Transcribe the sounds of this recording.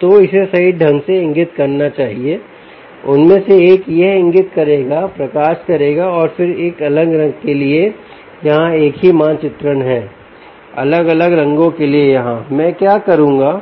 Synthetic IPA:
t̪oɪsesɐiɖʱɐ̃ŋɡseɪ̃ŋɡɪt̪kɐɾnat͡ʃaːɦieː | ʊnmẽseeːkjɐɦɪ̃ŋɡɪt̪kɐɾeːɡapɾɐkaːʃkɐɾeːɡaɔːɾfɪɾeːkɐləŋɡɾɐ̃ŋɡkelie | jɐɦãeːkɦimãːnt͡ʃɪt̪ɾənɦɛː | ɐ̰ləɡɐləɡɾɐ̃ŋɡõkeliejɐɦãmɛ̃ːkjaːkɐɾũːŋɡaː

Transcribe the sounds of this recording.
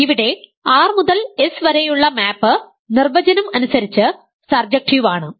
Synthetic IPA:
iʋiɽe̞aːrmuðɐlesʋɐɾejuɭːɐmaːpːɨ | nirbɐd͡ʑɐnɐmɐnusɐɾit͡ɕːɨ | sɐrd͡ʑɐk̚ʈiʋaːɳɨ

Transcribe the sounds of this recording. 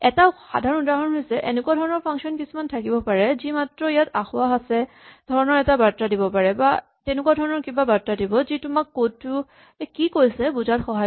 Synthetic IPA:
ɛtaʊxa̰dʱaɹɔnɔndaɦɔnɦojsɛʔenɛkwadʱɔɹɔnɔɹpʰaŋksiɔnkisumantʰakibɔpaɹɛzimatɹɔijataxʊwaɦasɛ | dʱɔɹɔnɔɹɛtabatːɹadibɔpaɹɛba | tenʊkwadʱɔɹɔnɔɹkibabatɹadibɔzitʊmakːottːʊ | kikojsɛbuzatxɔɦa

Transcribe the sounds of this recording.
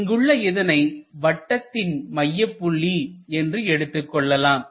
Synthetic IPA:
ɪŋɡɯɭːɐɪðɐnɐɪʋɐʈːɐt̪ːɪnmɐjːɐpːʊɭːiɛndrɯɛɽɯt̪ːɯkːɔɭːɐlaːm

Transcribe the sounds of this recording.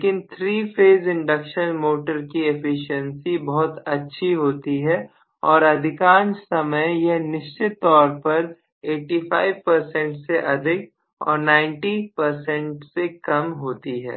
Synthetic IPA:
leːkɪnt̪ʰɾiːfʰeːzɪ̃ɳɖɐkʃənmoːʈəɾkiefʰɪʃə̃nsibɔɦʊt̪ɐtːʃʰiɦoːt̪iɦɛ | ɔːɾɐd̪ʱɪkãːnt͡ʃsɐməjjɐɦnɪʃt͡ʃɪt̪ːɔːɾpɐɾ | eːʈiːfʰaːɪʋpɐɾsɛ̃ɳʈseʔɐd̪ʱɪk̚ | ɔ̰ːɾnãːɪ̃ɳʈipɐɾsɛ̃ɳʈsekɐmɦoːt̪iɦɛ̰ː

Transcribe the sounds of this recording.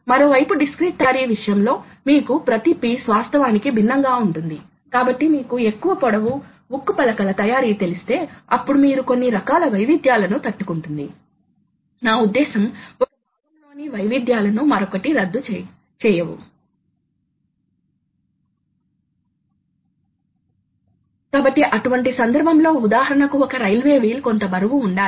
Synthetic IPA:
mɐɾo̞ːʋɐjpuɖiskɾiːʈ̚t̪ɐːɾiːʋiʂɐjɐmlo̞ː | miːkupɾɐt̪ipisʋaːst̪ʰɐʋaːnikibʱinːɐŋɡaːuɳʈund̪i | kaːbɐʈːimiːkue̞kːuʋɐpɔɽɐʋu | bukːupɐlɐkɐlɐt̪ɐjaːɾiːt̪e̞list̪e̞ːɐpːuɽumiːɾuko̞nːiɾɐkaːlɐʋɐjʋid̪jaːlɐnut̪ɐʈːukuɳʈund̪i | naːud̪ːɛːsɐmɔkɐb̪aːɡɐmlo̞ːniʋɐjʋid̪jaːlɐnumɐɾokɐʈiɾɐd̪ːu | t͡ʃɛːjɐʋṵ | kaːbɐʈːiʔɐʈuʋɐɳʈisɐnd̪ɐɾbʱɐmlo̞ːud̪aːɦɐɾɐɳɐkuɔkɐɾɐjlʋe̞ːʋiːlko̞nt̪ɐbɐɾɐʋuːɳɖaːi

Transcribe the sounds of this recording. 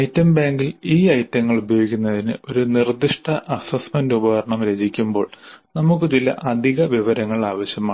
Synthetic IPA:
ɐjtːɐmbaːŋɡiliːɐjtːɐŋːɐɭubɐjoːɡikʲːunːɐðinɨ̰o̞ɾunird̪iʂʈɐʔɐsɐsmɐndubɐɣɐɾɐɳɐmɾe̞ːd͡ʑikʲːumbo̞ːɭnɐmukːɨt͡ɕilːɐ̰ʔɐd̪ʱiɣɐʋiʋɐɾɐŋːɐɭaːʋɐɕjɐmaː

